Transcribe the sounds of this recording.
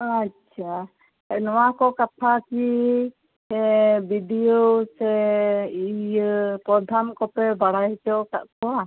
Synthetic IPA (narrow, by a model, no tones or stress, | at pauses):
at͡ʃʰa | ɛnɔwakɔkapʰaki | ɛbidijosɛijpɾɔd̪ʱamkɔpɛbaɽajt͡ʃɔk̪a̰ʔkɔwa